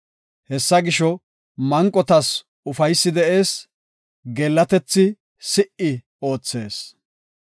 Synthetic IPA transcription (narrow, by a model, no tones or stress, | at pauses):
hɛsːɐɡɪʃɔ | mɐŋkʼːɔt̪ɐs | ʊfɐjsːɪd̪ɛʔeːs | ɡɛlːɐt̪ɛt͡sːɪ | sɪʔɪ | o̞ːt͡sːe̞ːs